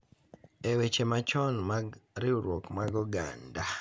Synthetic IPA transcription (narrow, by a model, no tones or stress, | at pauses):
ewet͡ʃemat͡ʃɔnmaɾɪuɾwɔkmaɡɔɡa̰nda